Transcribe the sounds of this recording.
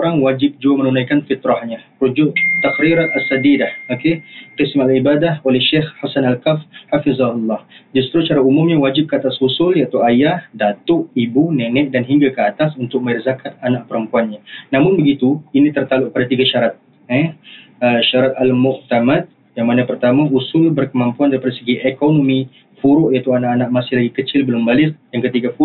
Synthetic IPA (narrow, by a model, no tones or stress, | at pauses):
oɾaŋwad͡ʒɪp̚d͡ʒuamənunajkanfit̪ɾahɲaɾud͡ʒʊʔt̪akɾiɾaasːadidahokeqɪsmalibadaholɛhʃɪxhasanalkafhafizɑulːɑhd͡ʒust̪ɾut͡ʃaɾaumʊmɲawad͡ʒɪp̚kəat̪asusʊljaʔit̪uajahdat̪ʊʔibunɛnɛk̚danɦiŋɡakəat̪asunt̪ʊk̚mãɛrzakʰat̪̚anaʔpəɾəmpuanɲanamʊnbəɡit̪uinĩt̪ərt̪alʊʔk̚əpadat̪iɡaʃaɾat̪̚ | ɛ | əʃaɾat̪̚almʊʔt̪amat̪̚ | jaŋmanapərt̪amãusʊlbərkəmãmpuandaɾipadasəɡiʔɛkonomĩ | fuɾʊʔjait̪uanaʔanãʔmasɪhlaɡikət͡ʃɪlbəlʊmbalɪk̚jaŋkət̪iɡafu